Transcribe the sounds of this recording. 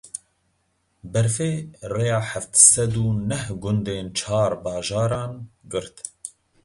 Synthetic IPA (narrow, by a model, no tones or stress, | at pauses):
bɛɾfeːrejɑːħaft̪sɛd̪uːnɛhɡʊnd̪eːnt͡ʃʰɑːɾbɑːʒɑːɾɑːnɡɨɾt̪